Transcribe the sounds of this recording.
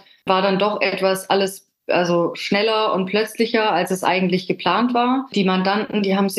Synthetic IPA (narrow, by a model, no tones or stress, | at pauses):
vaːɐdandɔχʔɛtv̥asʔaləs | ʔa̰lzoʃnɛlɐʊnt̚pʰl̥œt͡slɪçɐalsɛsʔa̰ɪɡŋ̩tlɪçɡ̥əpl̥aːntv̥aːɐd̥iːmandantn̩diːɦhaːbm̩z